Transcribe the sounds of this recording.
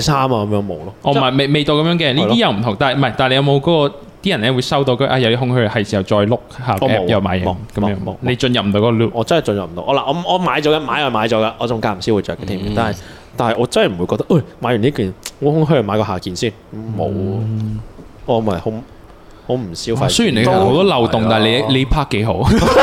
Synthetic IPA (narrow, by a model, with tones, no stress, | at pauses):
saː˥maː˧kɐ˨˦mjœː˧˥ŋmo˨˧wlɔː˧˥ʔɔː˧m˥˨ɐ˨˩me˨˩me˨jt̪o˧wkɐ˨˥mjœː˧˥ŋkɛː˧li˥˨˥jɐ˨wm̩˨˩t̪ʰʊ˨˩ŋt̪aː˨mɐ˨˩jt̪aː˨nle˧jɐ˧mo˨˧wkɔː˨˥kɔː˧ | t̪iː˥jɐ˨˩nɛː˥wuː˨˧jsɐ˥wt̪o˧wkːʔaː˧˩jɐ˨˧wjɐ˥hʊ˥ŋhœ˥˨hɐ˨˩jsi˨˩hɐ˨˩wt͡ʃɔː˧jlʊ˥k̚haː˨˩kɔɔ˧ɛː˥˧jɐ˨˧wmaː˨˥jɪ˨˩kɐ˨˦mjœː˧˥ŋ˨˧ne˨˧jt͡ʃɵ˧njɐ˨p̚m̩˨˩t̪o˧˥kɔː˧˥ɔ˧luː˥pʔɔː˨˧t͡sɐ˥nhɐ˨˩jt͡ʃɵ˧njɐ˨p̚m̩̰˨˩˧wʔɔː˨˧laː˨ʔɔː˨˧˨ɔː˨˧maː˨˥jt͡ʃɔː˨˧˥kɐ˧maː˨˥jɐ˨˩maː˨˧jt͡ʃɔː˨˥ka˧ʔɔː˨˧t͡sʊ˨ŋkaː˧˥m̩˨˩siː˥wu˨˩t͡ʃœ̰ː˨kːɛː˧t̪ʰiː˨˩mḭː˨˩t̪aː˨nɐ˨˩j | t̪aː˨nhɐ˨jʔɔː˨˧t͡sɐ˥nhjm̩˨˩u˨˧jkɔː˧k̚t̪ɐ˥kʔɐ˥˩maː˨˥jy˨˩niː˥kyː˨˩nŋɔ˨˧˥hʊ˥ŋɦɵ˥˨˩maː˨˧jkɔː˧ɦaː˨˩kiː˨˧nsiː˥˩nkmo̰˨˧w | ɔː˨˧mɐ˨˩jho˨˧˥ | ho˨˧˥wm̩˨˩siː˥wfɐ˧sɵ˥ji˨˩ne˨˧kho˨˦wt̪ɔː˥lɐ˨wt̪ʊ˨ŋt̪aː˨ɦle˧˥le˨˧˥pʰaː˥kːe˨˥jɦo˨˥w